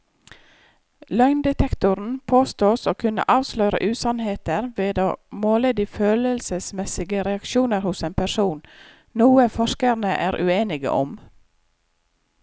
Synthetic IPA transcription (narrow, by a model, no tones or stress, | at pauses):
lœʏnd̪ɛt̪ʰɛkt̪ʊɾn̩pʰoːst̪oːsoːkʰʉnə̰ʔɑːʋslœʏɾə̰ʔʉːsɑnheːt̪əɾʋeːd̪o̰ːmoːleːd̪ɪføːləlsəsmɛsɪɡəɾɛɑkʃuːnəɾhʊseːnpʰæʃuːn | nuːəfɔʃkəɾnəʔæːɾʔʉ̰eːnɪɡə̰ʔɔ̰m